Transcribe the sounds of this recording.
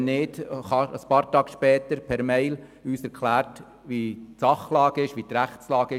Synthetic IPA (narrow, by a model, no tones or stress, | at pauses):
nɪːd̪̥ɑəspɑːɾt̪ɑːɡ̥ʃpɛːt̪əɾpʰɛɾmɛɪl | yːsɛɾkʰlæːɾt | ʋitsɑχlɑːɡəɪʃʋit̪ɾæχtslɑːɡ̥ə